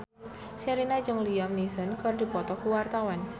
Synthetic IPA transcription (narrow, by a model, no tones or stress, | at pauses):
saɾinad͡ʒɨŋliamnisənkərdipɔt̪ɔkuwart̪awan